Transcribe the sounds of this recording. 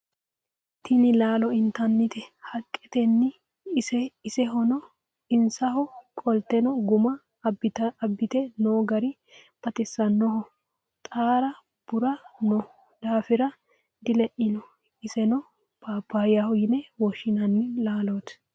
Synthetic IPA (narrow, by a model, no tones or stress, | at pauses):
t̪ʰɪnɪlaːlɔɪnt̪ɐnːɪt̪ɛhɐkʼːɛt̪ɛnːɪː | sɛɪsɛɦɔnɔ | ɪnsɐhɔkʼɔlt̪ɛnɔɡʊmɐ | bɪt̪ɐbːɪt̪ɛnoːɡɐɾɪ | b̥ɐt̪ɪsːɐnːɔhɔ | t̪ʼaːɾɐ | b̥ʊɾɐnɔ | d̪aːfɪɾɐ | d̪ɪlɛʔɪnɔ | ɪsɛnɔ | b̥aːbaːjahʊjɪnɛwɔʃɪnɐnːɪlaːlot̪